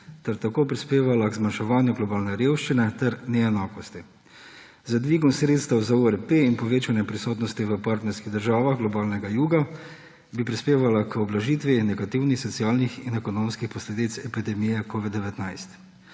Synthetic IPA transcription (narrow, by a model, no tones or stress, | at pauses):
t̪ɛɾt̪akoːpɾispeːʋalaɡzmanʃɛʋaːnjuɡlɔbaːlnɛɾeːwʃt͡ʃinɛt̪ɛɾnɛɛnaːkɔst̪i | zad̪ʋiːɡɔmsɾeːt̪st̪ɐwzauɛɾpeinpɔʋeːt͡ʃanjɛpɾisoːt̪nɔst̪iʋəpaːɾt̪nɛɾskiɣd̪əɾʒaːʋaxɡlɔbaːlnɛɡajuːɡa | bipɾispeːʋalakɔblaʒiːt̪ʋinɛɡat̪iwnixsɔt̪siaːlnixinɛkɔnomskixpɔsled̪it̪sɛpid̪ɛmijɛkoːʋid̪̚d̪ɛʋɛt̪najst̪